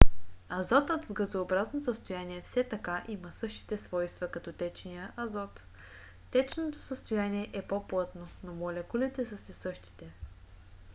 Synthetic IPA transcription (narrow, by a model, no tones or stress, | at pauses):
ɐzɔt̪ot̪vɡəzoːbɾaznosəst̪ojaniɛfsɛt̪ɐkaʔimɐsɤʃt̪i̥t̪ɛsvɔjst̪vɐkɐt̪ɔt̪ɛt͡ʃnijəʔɐzɔt̪ː | ɛt͡ʃnot̪o̥səst̪ojaniɛʔɛpoplˠat̪nonomɔlʲɐkulʲɛt̪ɛsɐsɛsɤʃt̪i̥t̪ɛ